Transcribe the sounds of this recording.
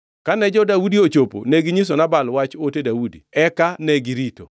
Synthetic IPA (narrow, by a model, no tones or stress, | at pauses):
kanɛd͡ʒɔdawudiot͡ʃopo̰neɡɪɲis̬onabalwat͡ʃotedawudḭɛkanɛɡiɾito̰